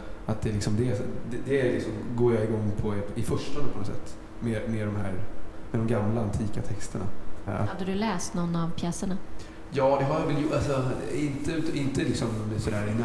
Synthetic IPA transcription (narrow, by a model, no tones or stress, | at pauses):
ʔat̪̚d̪ɛlɪksɔmd̪ɛd̪ɛd̪ɛæɾlɪksɔmɡoːjaɪɡɔŋːpʰɔɛɪfœʂʈɔnpʰɔnɔsɛ̰t̪ː | memeɖɔmɦæ̰ːɾmɛd̪ɔmɡamlaant̪ʰiːkat̪ʰɛkst̪əɳa̰a̰had̪ːəd̪ɵlɛːst̪nɔnːavpʰjɛːsəɳa | jɑːd̪ɛɦajavɛljʊalsɔɪnt̪əʉt̪ɪnt̪əlɪksɔmsɔd̪æːɾɪnːa